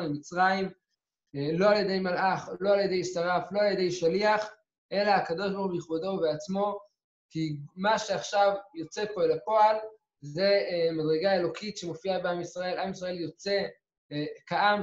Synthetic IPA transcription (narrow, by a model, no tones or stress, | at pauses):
nemit͡sʁaim | lo̞aljed̪e̞jmalʔaχlo̞aljed̪e̞jsaʁaflo̞aljed̪e̞jʃaliaχ | ʔe̞laakad̪o̞ʃbaʁχujeχud̪o̞veat͡smo̞ | kimaʃeaχʃavjot͡sepo̞elapo̞al | ze̞mad̪ʁeɡae̞lo̞kit̪ʃemo̞fiabeamisʁae̞lamisʁae̞ljo̞t͡se̞ | kaʔam